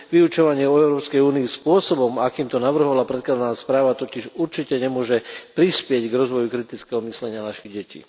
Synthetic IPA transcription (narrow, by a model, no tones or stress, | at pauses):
ʋiut͡ʃɔʋaɲɪɛɔɛʊɾɔːpskɛjuːniːspʊɔsɔbɔmakiːmt̪ɔnaʋr̩ɦɔʋalapɾɛt̪̚klad̪anaːspɾaːʋat̪ɔciʒuɾt͡ʃicɛɲɛmʊɔʒɛpɾispɪɛɟɡɾɔzʋɔjukɾit̪it͡skɛɦɔmislɛɲɪanaʃiɣɟɛcḭː